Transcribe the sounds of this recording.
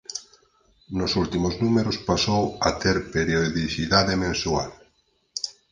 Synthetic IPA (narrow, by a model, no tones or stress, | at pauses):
nosult̪imoznumeɾospasowat̪eɾpeɾjoðiθiðaðemẽnsual